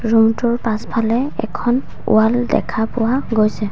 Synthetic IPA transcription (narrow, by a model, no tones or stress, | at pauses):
ɹumtʊɹpãspʰalɛɛ̰kʰɔn | ṵaldɛ̰kʰapʊwaɡojsɛ